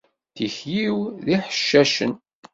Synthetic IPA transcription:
θiçjiwðiħə̥ʃːæʃə̰n

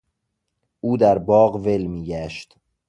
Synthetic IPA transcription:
ʔuːd̪æɾbɒːɢve̞lmiːɟæʃt̪

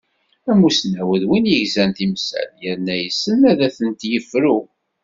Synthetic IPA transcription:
æmusnæwəðwinjəʝzænt̪imsæ̰ljəɾnæjəsːənæðæθənt̪jəfɾu

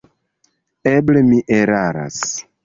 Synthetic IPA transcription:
eblemiʔeɾaɾa̰s

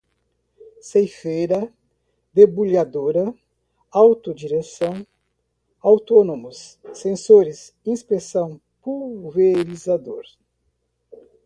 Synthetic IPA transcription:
sejfejɾɐ | d̪ebulad̪oɾɐ | awt̪ʊd͡ʒiɾesɐ̃w̃ | awt̪onomʊsːẽnsoɾɪs | ĩspesɐ̃w̃ | puveɾizad̪oɾ

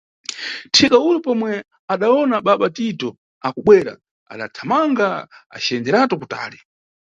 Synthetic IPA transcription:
tʰikauɾupɔmwɛ | aɗaɔnaɓaɓatitɔ | akuɓwɛɾa̰ | a̰ɗa̰tʰamaŋɡaa̰t͡ʃɛnd͡ʒɛɾatɔkuta̰ːli

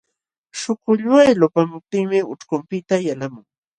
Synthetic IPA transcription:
ʃʊkʊʎwajlopamʊp̚t̪ɪŋmɪʊ̰ʈ͡ʂkʊmpɪt̪ajalamʊŋ

